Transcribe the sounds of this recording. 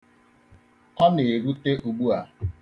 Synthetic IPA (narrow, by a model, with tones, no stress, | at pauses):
ɔ˦ne˨ɾu˦te˦ʔu˨ɡ͡bu˦a˨